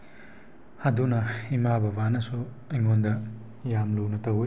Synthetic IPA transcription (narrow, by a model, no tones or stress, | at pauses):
hadunɐimabɐbanɐsu | ɐjŋondɐ | jamluwnɐtɐwo